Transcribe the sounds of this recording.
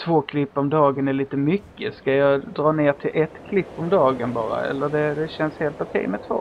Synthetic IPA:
t̪ʰvoːkʰlɪpːɔmd̪ɑːɡənæɭiːt̪əmʏkːəskajɑːd̪ɾɑːneːʈʰɪlʔɛt̪kʰlɪpːɔmd̪ɑːɡənbɑːɾa̰ɛ̰lːəɖɛd̪ɛɕɛnsheːlt̪ʊkʰɛ̰jmɛt̪ʰvo̰ː

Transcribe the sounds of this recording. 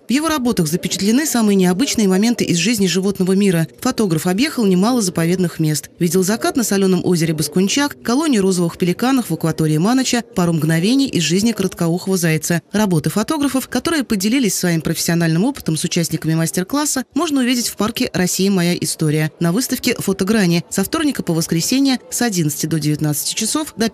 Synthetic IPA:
vjɪvo̞ɾɐbo̞t̪əxzəpʲɪt͡ɕɪ̥t̪lʲɪnɨsamɨjənʲɪɐbɨt͡ɕnɨjəmɐmʲe̞nt̪ɨʔɪzʐɨzʲnʲɪʐɨvo̞t̪nəvəmʲiɾəfɐt̪o̞ɡɾəfɐbjexəlˠnʲɪmalˠəzəpɐvʲe̞d̪nɨxmʲe̞st̪vʲidʲɪlˠzɐkat̪nəsɐlʲo̞nəmʔo̞zʲɪɾʲɪbəskʊnʲt͡ɕakːɐlˠo̞nʲɪjʊɾo̞zəvɨxpʲɪlʲɪkanəxvəkvɐt̪o̞ɾʲɪːmanət͡ɕəpɐɾomɡnɐvʲenʲɪjʔɪzʐɨzʲnʲɪkəɾət̪kauxəvəzajɪt̪sərɐbo̞t̪ɨfɐt̪o̞ɡɾəfəfkɐt̪o̞ɾɨjəpədʲɪlʲilʲɪsʲsvɐimpɾəfʲɪ̥sʲɪɐnalʲnɨmo̞pɨ̥t̪əmsʊt͡ɕæsʲnʲɪkəmʲɪmasʲtʲɪrklˠasːəmo̞ʐnəʊvʲidʲɪtʲfparkʲɪɾɐsʲijɪmɐjaʔɪst̪o̞ɾʲɪjənɐvɨst̪əfkʲɪfət̪ɐɡɾanʲɪsɐft̪o̞rnʲɪkəpəvəskɾʲɪsʲenʲɪjəsɐdʲint̪sɨ̥tʲɪd̪o̞dʲɪvʲɪt̪nat̪sɨ̥tʲɪ̥t͡ɕɪso̞fd̪ɐ

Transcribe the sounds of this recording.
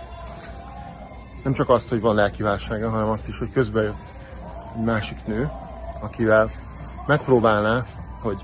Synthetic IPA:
nɛmt͡ʃɒkɒst̪ho̞ɟvɒnlɛlkivaːlʃaːɡɒɦɒnɛmɒst̪iʃho̞ckø̞zbɛjøt̪ː | ɛɟmaːʃiknøː | ɒkivɛl | mɛk̚proːbaːlnaːho̞ɟ

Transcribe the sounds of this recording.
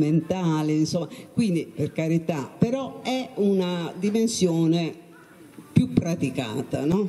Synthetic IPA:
ment̪aːlɪinsɔmːakwind̪iperkaɾit̪apɛɾɔɛunad̪imensjɔːne | pjupːɾat̪ika̰ːt̪anɔ

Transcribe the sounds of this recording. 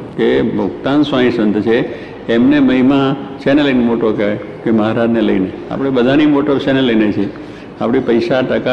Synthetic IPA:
kebʱʊkt̪ansãĩsənt̪ət͡ʃʰeː | mneməimãʃeneləjnemoʈoke | keməɦɾad͡ʒnelə̰inea̰pɽebəd̪ʱanimoʈəbʃeneləjnet͡ʃʰie | apɽipəjʃaʈəka

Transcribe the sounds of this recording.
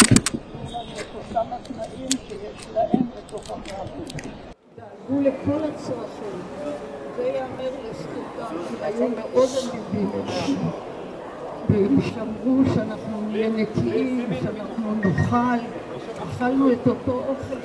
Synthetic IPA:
enanuetot̪amat̪naʔimʃejeʃlaʔembet̪o̞χamaavu | deaɡulekolat͡soʁaʃelazejameʁlestukakiajumeʔod̪amudimenanu | vemiʃamʁuʃeanaχnunijenekiimʃeanaχnunoχal | aχalnuet̪o̞t̪o̞ʔoχel

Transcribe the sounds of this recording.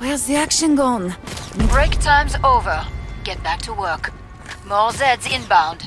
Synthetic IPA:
wɛ˞zðiækʃɨ̃nɡɔ̃nbɹeɪktʰãɪ̃mzoʊvə˞ɡ̥ɛt̚b̥æk̚tʰəwɜ˞k | mɔlzɛdzɪ̃nbãʊ̃nd̥

